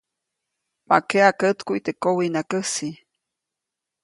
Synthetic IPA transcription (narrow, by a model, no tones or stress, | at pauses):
ma̰keakət̪kuit̪ekowinakəsi